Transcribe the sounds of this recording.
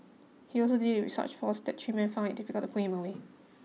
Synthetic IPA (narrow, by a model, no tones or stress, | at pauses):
hiɔlsodid̚wḭsə̰t͡ʃfɔsdɛt̚tʰɹimɛ̃nfãɪ̃ndɪʔ̚difikəlˠtupʰuhɪ̃məwe